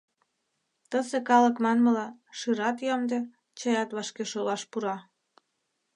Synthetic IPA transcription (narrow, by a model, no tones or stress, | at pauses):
t̪əsekɑlə̆kmɑnməlɑʃɯɾɑt̪jomd̪e | t͡ɕɤjɑt̪βɑʃkeʃolɑʃpuɾɑ